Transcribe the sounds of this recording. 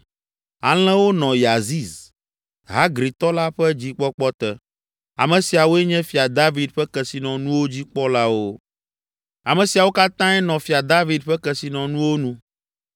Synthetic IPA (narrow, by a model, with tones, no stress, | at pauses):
a̰˨l̃ɛ̃˦wo˦nɔ̃˨ja˨zi˦z | ɦa˦ɡɾi˨t̪ɔ˦la˦ɸɛ˦d͡ʑi˦k͡pɔ˦k͡pɔ˦t̪ɛ˦ | a̰˨mɛ̃˨si˨a˨wo˦ɛ˦ɲɛ̃˦fi˨a˨d̪a˦vi˨d̪ɸɛ˦kɛ˨si˨nɔ̃˨nũ˦wo˦d͡ʑi˦k͡pɔ˦la˦wo˦ | a˨mɛ̃˨si˨a˨wo˦ka˦t̪ã˦ɛ˦nɔ̃˨fi˨a˨d̪a˦vi˨d̪ɸɛ˦kɛ˨si˨nɔ̃˨nũ˦wo˦nũ˦